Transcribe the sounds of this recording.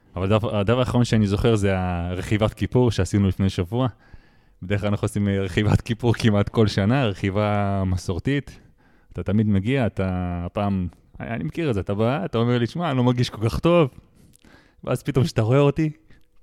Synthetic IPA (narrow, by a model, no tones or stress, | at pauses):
avaldavdavaːχaʁonʃeanizo̞χeʁzeaʁeχivatkipuʁʃeasinulifne̞jʃavua | bedexklanaχuosimʁeχiva̰tkipuʁkimat̪ko̞lʃanaʁeχivamasoʁt̪it̪ | at̪at̪amid̪meɡiaːt̪apaːm | animekiʁezeat̪abaːtaomeʁliʃmalo̞maʁɡiʃkolkaχt̪o̞v | vḛʔazpit̪o̞mʃe̥taʁo̞eo̞ti